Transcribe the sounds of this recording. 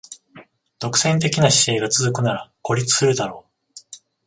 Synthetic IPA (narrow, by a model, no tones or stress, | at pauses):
d̪̥o̞kɯ̟̥sẽ̞nt̪̬e̞kʲinaɕi̥se̞ːɡat͡sɨzɨkɯ̟naɾako̞ɾʲit͡sɨ̥sɨɾɯ̟d̪aɾo̞ː